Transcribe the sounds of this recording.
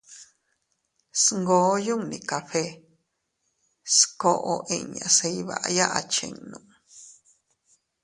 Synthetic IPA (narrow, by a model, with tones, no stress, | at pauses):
sŋɡo˧˦ju˦ŋnĩ˨ka˨ɸe˦ | sko˦˧ʔo˧ʔi˧ɲã̰˨se˧i˦βa̰˨ʔa˧ja˦ʔa˨˧t͡ʃḛ̃˧ŋnũ˧˨ʔ